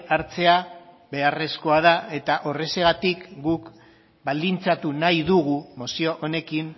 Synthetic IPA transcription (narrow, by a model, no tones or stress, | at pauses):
aɾt͡se̞a | βe̞are̞sko̞aðae̞t̪aʔo̞re̞se̞ɣat̪ikɡuk | bald̪int͡sat̪unajðuɣumosio̞ʔone̞kin